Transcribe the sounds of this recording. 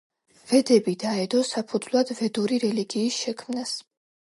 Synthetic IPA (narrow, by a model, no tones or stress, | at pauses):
vɛd̪ɛbid̪aɛd̪ɔsapʰud̪zlˠad̪̥vɛd̪uɾiɾɛliɡiːsʃɛkʰmnas